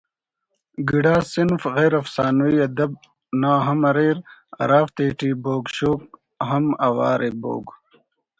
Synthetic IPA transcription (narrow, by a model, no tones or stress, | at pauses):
ɡiɽaːsinfɣeːɾɐfsaːnuiɐd̪ɐb̚ | naːɦɐmɐɾeːɾɐ̰ɾaːft̪eːʈiːboːɡɕoːk̚ | ɦɐmɐwa̰ːɾebo̰ːɡ